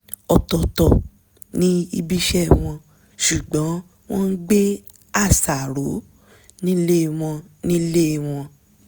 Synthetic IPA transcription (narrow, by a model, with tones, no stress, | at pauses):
ɔ˧tɔ˧tɔ˨ | nĩ˦i˦bi˦ʃɛ˦˨w̃ɔ̃˧ | ʃu˨ɡ͡bɔ̃˨˦ | w̃ɔ̃˦n̩˦ɡ͡be˦ | a˦˨sa˨ɾo˨˦ | nĩ˦le˦˧w̃ɔ̃˧nĩ˦le˦˨w̃ɔ̃˧